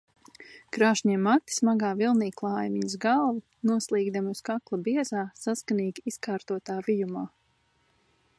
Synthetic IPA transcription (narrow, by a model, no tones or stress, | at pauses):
kɾaːʃɲiɛmːat̪ːi̥smaɡaːvilˠniːklˠɑːjmiɲsɡalˠvu | nuɔslˠiːɡd̪amuskaklˠɐbiɛzaːsaskaniːɡʲiiskaːɾt̪uɔt̪aːvijumaː